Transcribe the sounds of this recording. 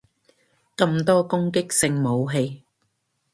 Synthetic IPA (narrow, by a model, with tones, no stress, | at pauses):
kɐ˧mt̪ɔː˥kʊ˥ŋkɪ˥k̚sɪ˧ŋmo˨˧wɦe˧j